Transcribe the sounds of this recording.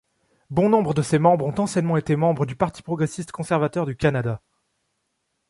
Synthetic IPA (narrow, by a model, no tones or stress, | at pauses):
bɔ̃nɔ̃bʁəd̪əsemɑ̃bʁɔ̃t̪ɑ̃sjɛnmɑ̃et̪emɑ̃bʁəd̪ypaʁt̪i̥pχɔɡʁesist̪kɔ̃sɛʁvat̪œʁd̪ykʲanad̪a